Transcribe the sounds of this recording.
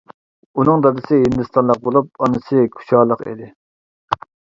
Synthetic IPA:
unɨŋd̪ɑd̪ɨsɨɦind̪ɨst̪ɑnlˠəq̚bolˠup̚ɑnɨsɨkʲʰu̥ʃɑːlˠəqḭd̪ɪ

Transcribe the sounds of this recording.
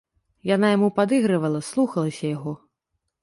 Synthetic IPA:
janajamupad̪ɨɣɾɐvɐlˠɐslˠuxɐlˠɐsʲɐjaɣɔ

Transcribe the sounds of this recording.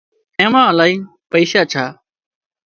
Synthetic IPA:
ẽːmãːəlaːiː | pəiːʃaːt͡ʃʰaː

